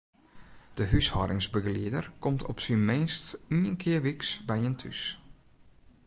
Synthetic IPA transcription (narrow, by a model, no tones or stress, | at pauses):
d̥əɦyshɔɾɪŋsbəɣliədərkɔmtʰɔ̰psinmɪnstiənkʰɪərʋiksbɛjəntʰy̰s